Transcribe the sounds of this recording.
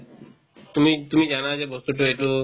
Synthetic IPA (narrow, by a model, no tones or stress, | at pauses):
t̪umit̪umid͡ʒanad͡ʑebɔst̪uʈoeʈu